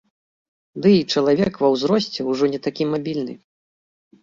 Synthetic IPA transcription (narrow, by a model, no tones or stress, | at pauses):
d̪ɨit͡ʂɐlˠavʲɛkvɐwzɾɔsʲt͡sʲɛwʐɔnʲɛt̪akʲimabʲilʲnɨ̰